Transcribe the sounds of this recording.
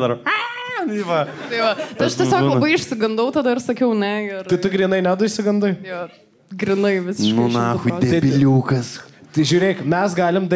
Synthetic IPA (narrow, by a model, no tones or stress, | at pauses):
d̪ɐɾɐniʋɐ | t̪ɐɪʋɐt̪ɐɪɐʃt̪ɐɪsoːkːlˠbɐɪɪʃsʲɪɡɐnd̪ɐʊt̪ɐd̪ɐɪɾsɐkʲɛʊnʲɛɪrɪt̪ʊɡɾʲiːnɐɪnʲɛd̪ɐɪʃʲsʲɪɡɐnd̪ɐɪjoː | ɡɾʲɪnɐɪʋʲɪsʲɪʃkmonɑxʊdd̪ʲɛt̪ɐɪbʲɪlʲuːkɐst̪ʒʲuːɾʲeːkmʲɛsɡɑːlʲɪmd̪ɐ